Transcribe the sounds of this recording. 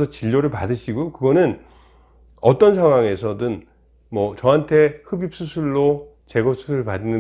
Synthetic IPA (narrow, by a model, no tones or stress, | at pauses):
sʰʌt͡ɕiʎːoɾɯɭpadɯɕʰiɡokɯɡʌnɯn | ʌt͈ʌnsʰaŋwaŋe̞sʰʌdɯn | mwʌt͡ɕʌɦantʰe̞hɯbip̚s͈ʰusʰuɭːo | t͡ɕe̞ɡʌsʰusʰɯɾɯɭpadinɯ